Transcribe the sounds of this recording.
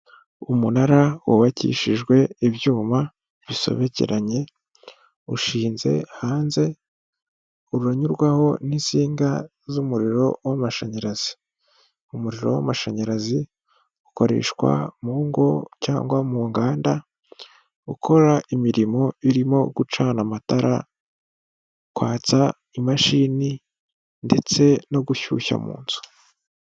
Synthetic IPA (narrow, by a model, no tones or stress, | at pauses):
umunaɾawuβacḭːʃiʒɡwe̞iβjuːma | βiso̞̰βe̞cḛɾaɲe̞ | uʃiːnze̞̰haːnze̞ | uɾuɾaɲuɾɡwaho̞nisiːŋɡa | zumuɾiɾo̞wamaʃaɲaɾaz̥i̥ | umuɾiɾo̞̰wa̰maʃaɲaɾazi | uko̞ɾe̞̰ːʃkwa̰muːŋɡo̞ca̰ːŋɡwamuŋɡaːnda | ukʰo̞ɾaʔimiɾimo̞iɾimo̞ɡut͡ʃanamataɾʔa | kwaːt͡sa | imaʃiːni | nde̞t͡se̞no̞ɡuçṵça̰mṵːnzu̥